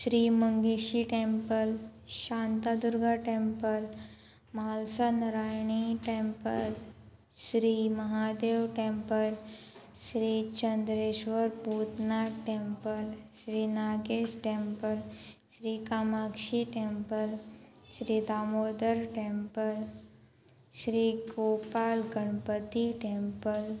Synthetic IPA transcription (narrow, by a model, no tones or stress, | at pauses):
ɕɾiːməŋɡeɕiʈempəlɕant̪ad̪uɾɡʱaʈempəl | malsanəɾajɳ̃iʈempəl | ɕɾiːməɦad̪eʋʈempəl | ɕɾiːt͡ɕənd̪ɾeɕʋəɾpuːt̪naʈeːmpəlʃɾiːnaːɡeːsʈeːmpəlʃɾiːkaːmakʃiʈeːmpəl | ʃɾiːd̪aːmoːd̪əɾʈeːmpəl | ʃɾiːɡoːpaːlɡəɳ̃pət̪iʈeːmpəl